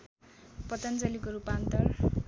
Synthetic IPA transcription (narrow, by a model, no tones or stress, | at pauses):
pʌt̪ʌnt͡sʌlikoɾupant̪ʌr